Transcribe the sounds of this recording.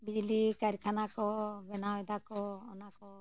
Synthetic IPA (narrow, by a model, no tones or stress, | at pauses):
bid͡ʒlikaɾkʰanakɔbɛnawɛd̪akɔɔnakɔ